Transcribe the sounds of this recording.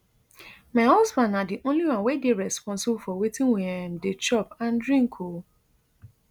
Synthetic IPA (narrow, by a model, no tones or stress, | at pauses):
maɪɦɔsbãnadiʔõnliwãnwedeɹɛspɔ̃nsɪbfɔwetĩŋweɛmdet͡ʃɔpãndɹĩŋ̩kʰo